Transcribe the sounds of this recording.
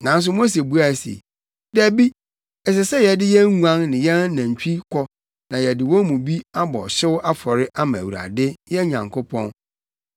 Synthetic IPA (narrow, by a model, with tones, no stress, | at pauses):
nã˨n˦s̬ʊ˦mo˦s̬e˨bu˦a˨sḛ˨ | dæ˨bi˦ | ɛ˨sɛ˨sɛ˦jɛ˨dɪ˦jɛ˦ŋu˦ã˦nnɪ̃˨jɛ˦nã˨ɲ˨t͡ɕᶣi˦kʰɔ˦ | nã˨jɛ˨dɪ˨wɔ˦mũ˨bi˦a˦bɔ̰˨ɕɪ˦wʊ˦ʔa˦fɔ˨ɾɪ˦ʔa˦mã˨wu˨ɾa̰˨dɪ˦jɛ˦ɲã˨ŋkʰo˦pʰɔ̰̃˦n